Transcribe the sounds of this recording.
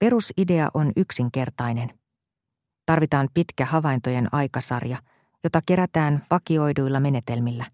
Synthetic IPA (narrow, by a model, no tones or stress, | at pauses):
pe̞ɾuside̞ɑ̰ʔo̞nyksiŋk̟e̞rt̪ɑjne̞n | t̪ɑrʋit̪ɑːmpit̪kæɦɑʋɑjnt̪o̞je̞nɑjkɑsɑ̰rjɑ | jo̞t̪ɑk̟e̞ɾæt̪æːnʋɑkio̞jdujlːɑme̞ne̞t̪e̞lmilːæ